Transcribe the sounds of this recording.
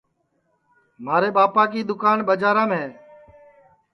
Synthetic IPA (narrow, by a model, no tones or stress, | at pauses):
maːɾeːɓaːpaːk̬iːd̪ʊkaːnɓəd͡ʒaːɾãːmɦeː